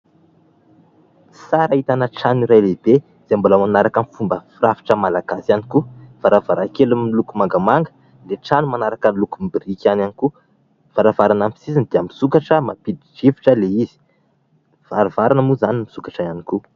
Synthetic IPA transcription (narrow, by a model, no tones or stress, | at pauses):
saɾait̪anəʈ͡ʂaniɾajleb̥e | z̥emboləmanaɾakənifumbəfirafi̥ʈ͡ʂəmalaɡ̥asanikufaɾavaɾakelumilukumaŋɡamaŋɡə̥ | leʈ͡ʂanumanaɾakənlukumbirikʲananiku | faɾavaɾanampi̥sizinid̪̥iamisukaʈ͡ʂəmapid̪id͡ʒiviʈ͡ʂəleizi̥ | v̥aɾavaɾanəmuzanimisukḁʈ͡ʂəaniku